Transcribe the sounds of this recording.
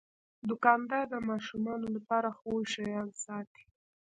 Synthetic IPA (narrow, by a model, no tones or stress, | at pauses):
d̪ʊkɑnd̪ɑɾd̪əmɑʃumɑnolapɑɾaxojʃajɑnsɑt̪i̥